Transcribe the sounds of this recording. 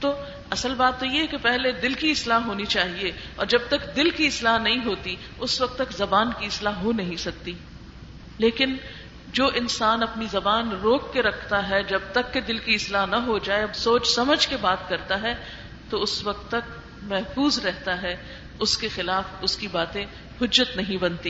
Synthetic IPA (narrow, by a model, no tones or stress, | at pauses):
t̪oː | ɐsəlbaːt̪ːojeɦɛkepɛɦled̪ɪlkiɪslaːɦɦoːnit͡ʃaːɦie | ɔ̰ːɾd͡ʒɐb̚t̪ɐkd̪ɪlkiɪslaːɦnɐɦĩɦoːt̪i | ʊswɐk̚t̪ːɐkzɐbaːnkiɪslaːɦɦonɐɦĩsɐk̚t̪i | leːkɪn | d͡ʒoːʔɪnsaːnɐpnizɐbaːnɾoːkːeɾɐkʰt̪aɦɛd͡ʒɐb̚t̪ɐkːed̪ɪlkiɪslaːɦnɐɦod͡ʒaːesoːt͡ʃsɐməd͡ʒʱkebaːt̪kɐɾt̪aɦɛ | t̪oʊswɐk̚t̪ːɐkt̪ | mɛɦfuːzɾɛɦt̪aɦɛ | ʊskexɪlaːfʊskibaːt̪ẽ | hʊd͡ʒːət̪nɐɦĩbɐ̃nt̪iː